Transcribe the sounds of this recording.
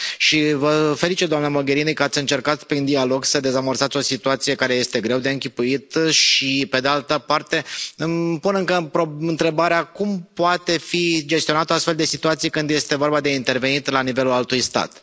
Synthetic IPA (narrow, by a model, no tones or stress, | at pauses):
ʃivəfe̞lit͡ʃit̪̚d̪oamnəmo̞ɡʲe̞ɾinekəat̪sʲɨnt͡ʃe̞rkat̪pɾind̪ialo̞ɡsəd̪e̞zamərsat̪sʲo̞sit̪uat̪sije̞kaɾe̞je̞st̪e̞ɡɾe̞wd̪e̞ɨŋkʲipuit̪ʃipe̞d̪ealt̪əpart̪e̞ɨmpunɨŋkəpɾoɨnt̪ɾe̞baɾeakumpoat̪e̞fid͡ʒest̪ionat̪əast̪fe̞ld̪e̞sit̪uat̪sijekɨnd̪je̞st̪e̞vo̞rbad̪e̞int̪e̞rve̞nit̪lanive̞lulalt̪ujst̪a̰t̪